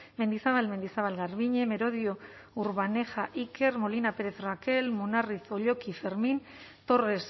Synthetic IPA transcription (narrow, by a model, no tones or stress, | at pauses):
me̞nd̪isaβalme̞nd̪isaβalɣaɾβiɲe̞me̞ɾo̞ðio̞uɾβane̞xaʔike̞ɾmo̞linape̞ɾe̞θrake̞lmunariθo̞ʎo̞kife̞ɾmin | t̪o̞re̞s